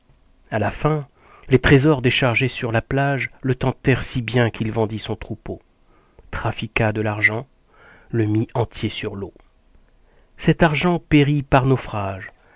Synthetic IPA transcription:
alafɛ̃ | let̪χezɔʁd̪eʃaʁʒesyʁlaplaʒlət̪ɑ̃t̪ɛʁsibjɛ̃kilvɑ̃d̪isɔ̃t̪χupo | t̪χafikad̪əlaʁʒɑ̃ | ləmiɑ̃t̪jesyʁlo | sɛt̪aʁʒɑ̃peʁipaʁnɔfχaʒ

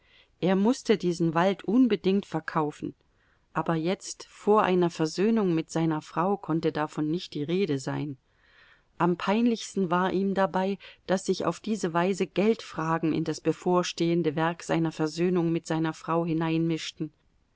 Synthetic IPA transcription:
ʔeːɐmʊstədiːzn̩valtʰʔʊnbədɪŋktfɛɐkʰaʊfn̩ | ʔaːbɐjɛt͡stfoːɐʔa̰ɪnɐfɛɐzøːnʊŋmɪtz̥aɪnɐfʁ̥aʊkʰɔntədafɔnːɪçt̚d̥iːʁeːdəzaɪn | ʔampʰaɪnlɪçstn̩vaːɐʔiːmdabaɪd̥asz̥ɪça̰ʊfd̥iːzəvaɪzəɡɛltfʁ̥aːɡŋ̩ɪ̰ndasb̥əfoːɐʃteːəndəvɛɐkz̥a̰ɪnɐfɛɐzøːnʊŋmɪtz̥aɪnɐfʁ̥aʊɦɪnaɪnmɪʃtn̩

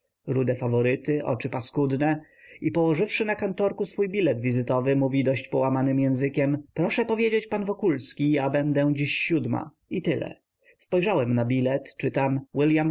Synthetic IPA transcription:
ɾud̪ɛfavɔɾɘt̪ɘʔɔ̰t͡ʂɘpaskud̪nɛ | ipɔwɔʐɘfʂɘnakant̪ɔɾkusfujbʲilɛd̪vʲizɘt̪ɔvɘmuvʲid̪ɔɕt͡ɕpɔwamanɘmjɛ̃w̃zɘkʲɛmpɾɔʂɛpɔvʲjed͡ʑet͡ɕpanvɔkulskʲijabɛnd̪ɛd͡ʑiɕːud̪ma̰ | it̪ɘlɛ̰ | spɔjʐawɛmnabʲilɛt̪t͡ʂɘt̪amwɘljam

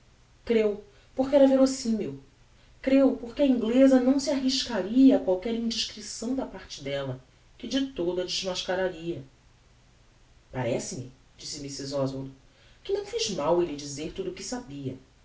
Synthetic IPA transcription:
kɾew | poχkɪɛɾɐveɾosĩmew | kɾewpoχkɪɐĩŋɡlezɐnɐ̃w̃siaɦiʃkaɾiɐːkwawkɛɾĩd͡ʒiʃkɾisɐ̃w̃d̪ɐpaɾt͡ʃɪd̪ɛlɐ | kɪd͡ʒɪt̪od̪ɐd͡ʒɪʒmaʃkaɾaɾiɐ | pa̰ɾɛsɪmɪ̰ | d͡ʒisɪmisizɔzvold̪u | kɪnɐ̃w̃fiʒmawelɪd͡ʒizeɾt̪ud̪ʊkɪsabiɐ̰

